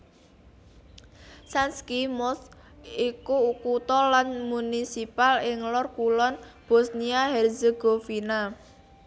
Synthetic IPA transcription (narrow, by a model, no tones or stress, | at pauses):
sanskimɔs | ikuukut̪ɔlanmunisipalɪŋlʊrkulɔnb̥ɔsniahɛrzeɡ̥ofina